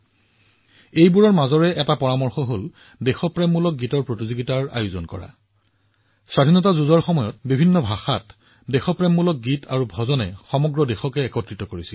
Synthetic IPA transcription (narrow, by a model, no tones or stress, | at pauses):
ejbuɹɔɹmazɔɹɛʔɛtapɔɹamɔɹxɔɦol | dɛxɔpɹɛmːulɔk̚ɡitɔɹpɹotizoɡitaɹa̰juzɔnkɔ̰ɹa̰ | sɹadʱinɔtazuzɔɹxɔmɔjɔt̚bibʱinːɔbʱaxat | dɛxɔpɹɛmːulɔk̚ɡitʰa̰ɹubʱɔzɔnɛ̰xɔmɔɡɹɔdexɔkɛːkɔtɹitɔkoɹisil